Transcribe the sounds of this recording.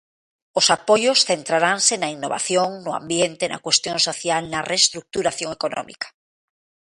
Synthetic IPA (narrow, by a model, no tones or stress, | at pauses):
osapojosθent̪ɾaɾansenainːoβa̰θjoŋnʊã̰mbjẽnt̪ena̰kwest̪jõnsoθjalnarʔest̪ɾuk̚t̪uɾaθjoŋekonɔ̰̃mḭkḁ